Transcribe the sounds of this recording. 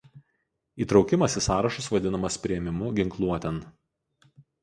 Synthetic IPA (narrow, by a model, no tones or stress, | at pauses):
iːt̪ɾɒʊkʲɪmɐsʲɪsɑːɾɐʃʊsʋɐd̪ʲɪnɐmɐspʲɾʲɪɛmʲɪmʊɡʲɪŋklˠuɔt̪ʲɛn